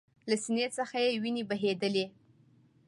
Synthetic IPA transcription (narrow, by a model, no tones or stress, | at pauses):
lasinet͡səxajewinebaɦed̪əle